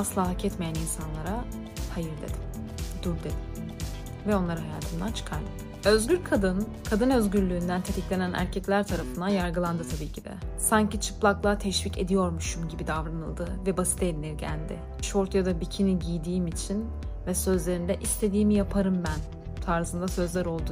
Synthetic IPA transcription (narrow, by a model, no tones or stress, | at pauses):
aslˠaːɦacʰɛt̪mejæninsanlˠaɾa | hajɯɾd̪ḛd̪im | d̪̥uɾd̪ed̪ | vɛo̞nlˠaɾahaja̰ːt̪ʰɯmd̪ant͡ʃʰɯ̥kʰaɾlˠa̰d̪ɯø̞zɟʲyɾkʰad̪ɯn | kʰad̪ɯnø̞zɟyɾlʲyːnd̪ænt̪ʰe̞t̪ʰiclʲe̞nænʔæ̰ɾcʰɛclʲæɾt̪ʰaɾafɯnd̪ajaɾɡɯlˠand̪ɯt̪ʰabiːcʰid̪ɛ̰saɲcit͡ʃʰɯplˠaklˠat̪ʰɛʃvice̞̰d̪ijo̞ɾmuʃumɟibid̪avɾanɯ̰lˠd̪ɯvɛbasi̥t̪ʰed̪inʲiɾɟæ̰lʲd̪ɪ̰ | ʃoɾt̪jad̪abicʰiniɟijd̪iːmit͡ʃʰin | vɛsø̞zlʲe̞ɾind̪ɛʔist̪ʰe̞d̪iːmijapʰaɾɯmbæn | t̪ʰaɾzɯnd̪asø̞zlʲæɾo̞lˠd̪u